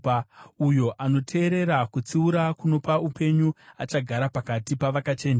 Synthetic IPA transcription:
ujo̞ʔano̞tʰe̞ːɾe̞ɾakut͡siuɾakuno̞paupʰe̞ɲuat͡ʃaɡʱaɾapakatipaʋakat͡ʃe̞ːna

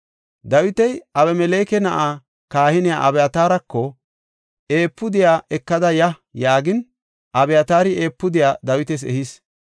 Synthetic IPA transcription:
d̪ɐwɪt̪ɛjɐβɛmɛleːkɛnɐʔaː | kaːhɪnɪja̰ʔɐbɛjɐt̪aːɾɐkːɔ | e̞ːpːʊd̪ɪjaːʔɛkːɐd̪ɐjɐ | jaːɡɪn | ʔɐbɛjɐt̪aːɾɪe̞ːpːʊd̪ɪjaːd̪ɐwɪt̪ɛs̬ɛ̰hɪs

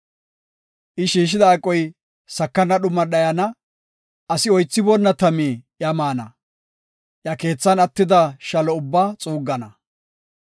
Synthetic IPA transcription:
ʔɪʃiːʃ̬ɪd̪ɐːkʼːɔj | sɐkːɐnːɐɗʊmːɐɗɐjɐnɐ | ɐsɪɔjt͡sːɪbɔnːɐt̪ɐmeːʔjɐmaːnɐ̰ | ʔjɐke̞ːt͡sːɐnɐt̪ːɪd̪ɐʃɐlɔʊbːaːt͡sʼuːɡːɐnɐ

